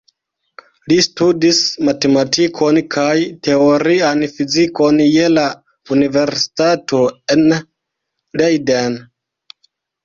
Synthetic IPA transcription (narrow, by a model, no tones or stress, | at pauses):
listudismate̞matʰikʰo̞nkʰajte̞oɾianfiziko̞nje̞la | unive̞ɾsi̥tato̞e̞n | lejden